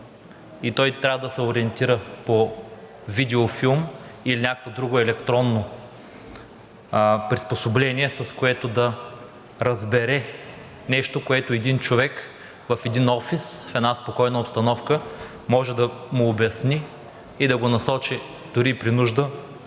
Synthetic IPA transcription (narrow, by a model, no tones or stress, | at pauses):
it̪ɔjt̪ɾʲavɐd̪ɐsɛoɾiɛnt̪iɾəpo | vid̪ɛofilˠmilinʲakovod̪ɾuɡoɛlɛkt̪ɾɔnːo | pɾisposoblɛniɛsɐskoɛt̪od̪ɐ | ɾɐzbɛɾɛ | nɛʃt̪okoɛt̪oɛd̪int͡ʃovɛk | vɐfɛd̪inɔfisfɛd̪naspokɔjnɐopst̪ɐnɔfkə | mɔʒɛd̪ɐmʊːbʲɛsniː | d̪ɐɡonɐsɔt͡ʃi | d̪̥ʊɾipɾinuʒd̪ə